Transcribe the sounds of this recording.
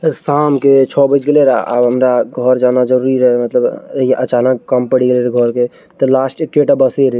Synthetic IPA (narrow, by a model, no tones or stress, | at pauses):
əɾsamket͡ʃʰɔbəd͡ʒɡeleɾaa̰bɦəmɾaɡʱɔɾd͡ʒanad͡ʒəɾuɾiɾəɦɛmət̪ləbiʔət͡ʃanəkkːəmpəɽiɡeleɾɡʱɔɾke | t̪ɔlasʈekːeʈabəseɾ